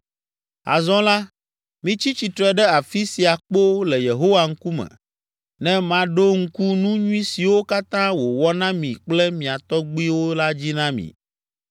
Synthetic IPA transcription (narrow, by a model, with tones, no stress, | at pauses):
a̰˨zɔ̃˦la˦ | mĩ˦t͡ɕi˦t͡ɕi˨t̪ɾɛ˦ɖɛ˦a˨fi˦si˨a˨k͡po˦lɛ˨je˨ɦo˦wa˨ŋ̩˦ku˦mɛ̰̃˨ | nɛ̃˦mã˨ɖo˦ŋ̩˦ku˦nũ˦ɲũ˦ĩ˦si˨wo˦ka˦t̪ã˦wo˨wɔ˦nã˦mĩ˨k͡plɛ˦mĩ˨a˨t̪ɔ˦ɡ͡bi˦wo˦la˦d͡ʑi˦nã˦mḭ̃˨